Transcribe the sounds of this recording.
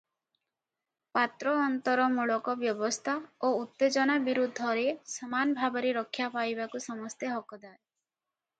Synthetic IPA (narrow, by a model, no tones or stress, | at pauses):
pat̪ɾɔːnt̪ɔɾɔmuɭɔkɔbjɔbɔst̪ʰaout̪ːed͡ʒɔnabiɾud̪ʱːɔɾesɔmanɔbʱabɔɾeɾɔkʰːjapajbakusɔmɔst̪eɦɔkɔd̪aɾe